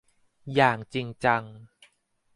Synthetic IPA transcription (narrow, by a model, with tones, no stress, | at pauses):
jaː˨˩ŋt͡ɕi˧ŋt͡ɕa˧ŋ